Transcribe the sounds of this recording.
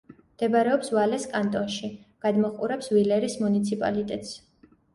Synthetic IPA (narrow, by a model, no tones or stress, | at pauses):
md̪̥ɛbaɾɛɔpsvalɛskʼant̪ʼɔnʃiɡ̥ad̪mɔχʼuɾɛpsvilɛɾismunit̪sʰipʼa̰lit̪ʼɛt̪ʼs